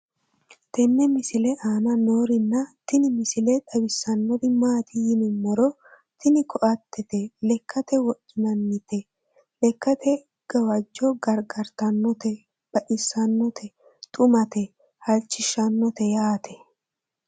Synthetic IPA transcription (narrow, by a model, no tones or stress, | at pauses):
t̪ɛnːɛmɪsɪlɛʔaːnɐno̞ːɾɪnːɐt̪ɪnɪmɪsɪlɛᶑ̪ɐwɪsːɐnːɔd̪ɪmaːt̪ɪjɪnɪmːɔɾɔ | t̪ɪnɪkʰɔʔɐt̪ːɛt̪ɛlɛkʰːɐt̪ɛwɔʔɪnɐnːɪt̪ɛ | lɛkːɐt̪ɛ | ɡ̥ɐwɐd͡ʒːɔɡɐɾɡɐɾt̪ɐnːɔt̪ɛ | b̥ɐʔɪsːɐnːɔt̪ʰɛ | t̪ʼʊmɐt̪ɛ | hɐlt͡ʃːɪʃɐnːɔt̪ɛjaːt̪ʰɛ